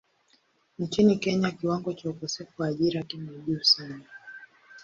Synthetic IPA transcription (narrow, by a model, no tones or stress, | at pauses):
n̩t͡ʃinikɛɲakiwaŋɡɔt͡ʃaukɔsɛfuwaːʄiɾakimɛʄuːsana